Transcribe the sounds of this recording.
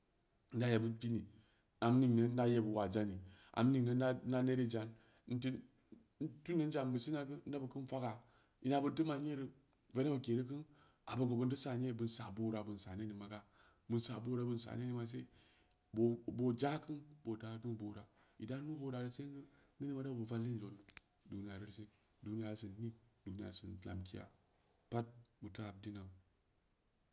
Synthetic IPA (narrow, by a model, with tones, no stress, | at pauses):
n̩˦da˦je˨bɨ˦pi˦ni˨ | a˨m˦ni˦˨ŋ˨nə˨n˦da˦je˦bu˨wa˨d͡ʒa˦ni˨a̰˨m˦ni˨ŋnə˦na˦ne˦ɾi˦d͡ʒa˨n | n̩˦ti˦ | n̩˦tu˦nːə˦n˦d͡ʒa˨m˦bɨ˨si˦na˨kɨ˦n̩˦da˦bə˨kɨ˦n˦fa˦ɡa˨ | i˨na˨bɨ˦dɨ˦ma˨ɲe˦ɾə˨ | ve˦na˦bɨ˨ke˨ɾi˦k̬ɨ˦n | a˨bɨ˨ŋɡo˨bu˨n˦dɨ˦sa˨ɲe˦˨bɨ˨nsa˨bo˦ɾa˨bɨ˨n˨sa̰˨ne˦ni˨ma˨ɡa˦ | bɨ˨nsa˨bo˦ɾa˨bɨ˨nsa̰˨ne˦ni˦ma˨s̬e˦ | bo˨bo˨d͡ʒa˦kɨ˦nbo˨da˦nu˦bo˨ɾa˨ | i˨da˦nu˦bo˦ɾa˨ɾə˦se˦ɡɨ˦ni˦ni˦ma˨˦da˦˨bu˨va˦n˦li˦nd͡ʒo˨n˦ | du˨ni˦ja˨ɾə˦ɾse˦du˨ni˦ja˨ɾsɨ˨nni˦du˨ni˦ja̰˨sɨ˨n˨la̰˨mki˦ja̰˨ | pa˦t̚bɨ˨ta˦a˨b̚di˦na˨